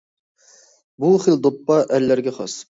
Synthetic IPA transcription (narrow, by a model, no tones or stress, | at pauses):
buχeld̪opːɑʔæɾlːæɾɡʲɛχɑ̰s